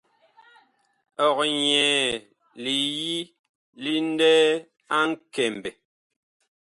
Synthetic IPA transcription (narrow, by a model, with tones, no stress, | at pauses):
ɔ˨k̚ɲɛː˨ | li˨ji˦ | li˦n˦dɛː˦ | a˦ŋ̩˦kɛ˨m˨bɛ˨